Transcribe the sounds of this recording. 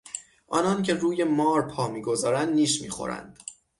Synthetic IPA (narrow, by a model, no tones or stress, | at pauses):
ʔɒ̰ːnɒːncʰe̞ruːje̞mɒːɾpʰɒːmiːɡo̞zɒːɾænd̪niːʃmḭːxo̰ɾæ̰nd̪̥